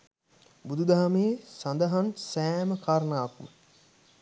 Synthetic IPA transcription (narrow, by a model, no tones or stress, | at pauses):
bud̪ud̪aɦamejsand̪əɦansæːməkʰaːɾnaːkmə